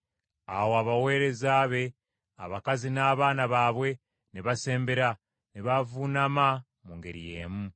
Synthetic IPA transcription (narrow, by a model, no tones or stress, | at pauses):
a̰woaβawe̞ːɾe̞zaːβe̞ | a̰βakazinaːβaːnaβaːβwe̞ | niβase̞ːmbeɾa | niβavunama | muŋɡeɾḭje̞̰ːmu